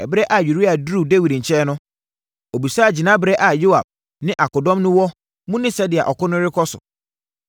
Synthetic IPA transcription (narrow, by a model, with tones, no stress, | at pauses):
ɛ˨bɾɛ˦ʔa˨ju˨ɾi˦a˨du˦de˦wi˨dɲ̩˨t͡ɕʰɛː˦nʊ̃˦ | o˨bi˨sd͡ʑi˨nã˦bɪ˦ɾɛ˦ʔa˨jo˦a̰˨b̥̚ | nɪ̃˦ʔa˨kɔ˨dɔ̃˦mnʊ̃˦wɔ˦ | mũ˦nɪ̃˦sɛ˦dɪ˨a̰˨ʔɔ˨kʊ˦nʊ̃˦ɾɪ˦kʰɔ˦sʊ̰˨